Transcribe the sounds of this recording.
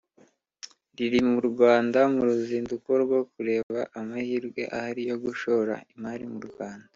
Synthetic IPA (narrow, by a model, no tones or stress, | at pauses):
ɾiɾimuɾɡwaːndamuɾuziːnduko̞ɾɡwo̞kuɾe̞ːβaʔamahiːɾɡwe̞̰ʔahaɾijo̞ɡuʃo̞ɾa̰imaːɾimuɾɡwaːnda